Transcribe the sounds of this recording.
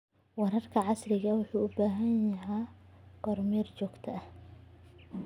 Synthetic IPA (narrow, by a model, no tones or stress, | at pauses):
wɑɾɐrkʰɐʕɑsrɪɣɐwʊħuːʊbaːɦɐnjɐɦɛqɔrmiːrt͡ʃɔːɡt̪ʰɐh